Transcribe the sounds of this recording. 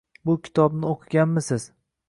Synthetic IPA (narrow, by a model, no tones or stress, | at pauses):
bʊkʲʰɪ̥t̪ʰɒb̚nɪoqʰɨɡʲanmɪsɪz̥